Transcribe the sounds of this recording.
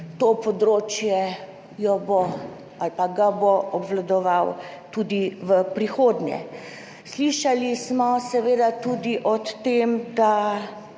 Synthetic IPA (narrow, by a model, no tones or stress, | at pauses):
t̪opɔd̪ɾoːt͡ʃjɛ | jɔbo | alpaɡaboɔbʋlad̪ɔʋaw | t̪uːd̪iʋəpɾixoːd̪njɛ̰ | sliʃalismɔsɛʋeːd̪at̪uːd̪iʔɔt̪ːemd̪a